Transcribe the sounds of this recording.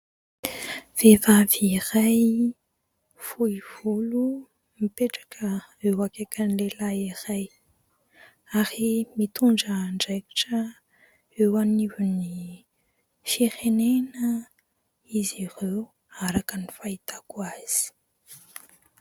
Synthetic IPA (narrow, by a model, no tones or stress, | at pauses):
v̥evaviraj | fuiv̥ulu | mipeʈ͡ʂḁkʰəewakekənlelairaj | aɾimit̪uɳɖ͡ʐəɳɖ͡ʐeki̥ʈ͡ʂə | ewanivuni | fiɾenenə | izire | aɾakənifait̪akuaz̥i̥